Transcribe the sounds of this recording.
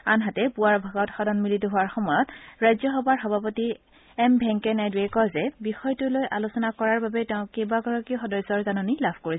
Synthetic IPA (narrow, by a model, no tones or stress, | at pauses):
anɦatɛpuaɹbʱaɡɔtxɔdɔnmilitʊɦʊaɹxɔmɔjɔtɹajzɔxɔbaɹxɔbʱapɔti | ɛmbʱɛŋkɛnajdwekɔzɛbixɔjtʊlojʔalusɔnakɔɹaɹbabɛtɛʊ̃kejbaɡɔɹɔkixɔdɔjsɔɹzanɔnilabʰʱkoɹisɛ